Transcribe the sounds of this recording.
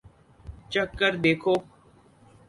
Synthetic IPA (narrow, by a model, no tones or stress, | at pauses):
t͡ʃəkːəɾd̪eːkʰoː